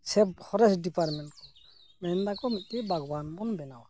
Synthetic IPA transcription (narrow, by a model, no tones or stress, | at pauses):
sɛbhʰɔɾɛsdipaɾmɛntkɔ | mɛnd̪akɔmit̪̚tɛbʱaɡwanbɔnbɛnawa